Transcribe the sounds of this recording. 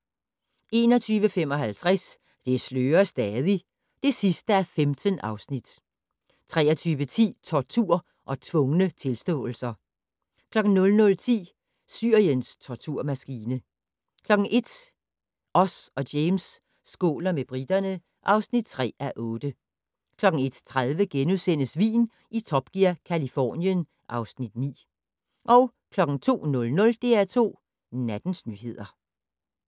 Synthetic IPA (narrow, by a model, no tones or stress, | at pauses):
e̝ːnɒ̽t͡sʰyːʋəfemɒ̽ɦælt͡sʰʁas | d̥e̝sløːɐsd̥ɛːðˠi | d̥e̝sisd̥əæɐfemd̥ənʔɑ̈ʊsnid̥ | t͡sʰʁɛ̰ːɐt͡sʰyːʋət͡sʰḭːt͡sʰɒt͡sʰuɐ̰ | ʔɒ̽t͡sʰʋɔ̽ŋənət͡sʰe̝lsd̥ɔ̰̽ːl̩sɐ | kʰlɒ̽ɡ̥n̩nɔ̽lnɔ̽lt͡sʰḭː | syɐjənst͡sʰɒt͡sʰuɐ̰mæsɡ̥iːnə | kʰlɒ̽ɡ̥n̩ʔe̝d̥ | ʔɒ̽sɒ̽deɪmsː | ɡ̥ɔ̝̰ːlɐmeb̥ʁid̥ɐnə | ʔɑ̈ʊsnid̥̚t͡sʰʁɛ̰ːæʔɔ̽ːd̥ə | kʰlɒ̽ɡ̥n̩e̝d̥t͡sʰʁaðˠʋəɡ̥enusen̰əsʋḭːn | it͡sʰɒ̽b̥ɡ̥iɐkʰælifɒ̰ːnjən | ʔɑ̈ʊsnid̥nḭː | ʔɒʊ | kʰlɒ̽ɡ̥n̩t͡sʰo̝̰ːnɔ̽lnɔ̽ld̥e̝æɐt͡sʰo̝̰ː | næd̥n̩snyɦe̝ð̞̰ˠɐ